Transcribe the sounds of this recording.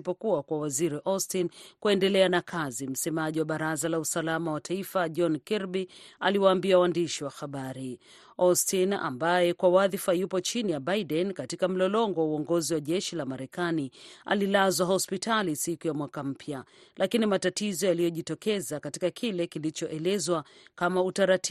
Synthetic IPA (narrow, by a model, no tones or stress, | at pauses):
pɔkuakwawaziɾiʔɔstinkuɛndɛlɛanakʰazim̩sɛmaʄiwaɓaɾazalausalamawatʰaifaʄɔnkiɾbia̰liwaːmbiawaːndiʃiwaxaɓaɾi | ɔstina̰mbajɛkwawaðifajupɔt͡ʃinijabaidɛnkatikam̩lɔlɔŋɡɔwauɔŋɡɔziwaʄɛʃilamaɾɛkania̰lilazwaɦɔspitalisikujamwakam̩pʰjalʔakinimatatizɔjalijɔʄitɔkɛzakatikakʰilɛkilit͡ʃɔʔɛlɛzwakamautaɾat